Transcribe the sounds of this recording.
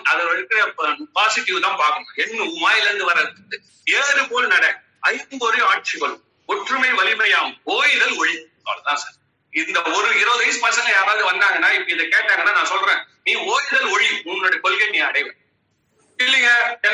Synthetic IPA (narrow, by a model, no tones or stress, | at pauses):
ɐðɐɐɻɯkːɯɾɐɐpːpaːsɪʈːɪʋɯt̪ãːpaːkɯŋɡɐɛnːɯmaːjɪlɐɐnd̪ɯʋɐɾɐðɯ | eːðɐɾɯpoːlnɐɽɐ | ɐɪknɡɔɾɯjaːʈ̚t͡ʃikɐɾɯ | ʊʈrɯmɐɪnʋɐlɪmɐjaːoːjɪðɐlɔɻisa̰ːɾɐt̪ãːsɐɾ | ɪnd̪ɐɔɾɯɪɾɐʋðɐjspɐːsɐnljaːɾaːðɯʋɐnd̪aːŋɡɐnːaːɪpːɐɪðɐkeːʈːaːŋɡɐnːaːnãːsɔlrẽː | nĩːoːjɪðɐlɔɻiʊnɾoːɽɐɐkɔlɣɐnĩːɐɽɐɪʋɐ | ɪlːɪŋɡɐ